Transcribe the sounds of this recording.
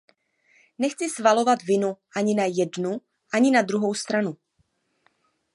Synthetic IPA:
nɛxt͡sɪsvalo̞vat̪vɪnuʔaɲɪnajɛdnu | ʔaɲɪnad̪ɾuɦo̞wst̪ɾanu

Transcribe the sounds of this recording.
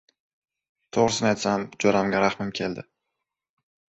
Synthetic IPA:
t̪ʰoʁɾɪsɪnajt̪samd͡ʒɒɾamɡʲaɾaχmɪmkʲʰe̞ld̪ɪ

